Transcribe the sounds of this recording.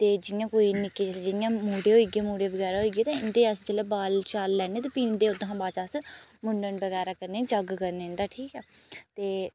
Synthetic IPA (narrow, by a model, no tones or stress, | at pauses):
t̪eːd͡ʒɪjãːkoːiːnɪkːeːt͡ʃəled͡ʒɪjãːmuːɖeːɦoːiːɡeːmuːɖeːʋəɡɛːɾaːɦoiːɡeːt̪ẽːɪnd̪eːəsd͡ʒəleːbaːlt͡ʃaːlːɛːnẽːt̪aːpiːnd̪eːʊd̪ãːbaːt͡ʃasmʊɳɖənbəɣɛːɾaːkəɾneːd͡ʒəɡkəɾneːɪ̃nd̪aːʈʰiːkɛːt̪eː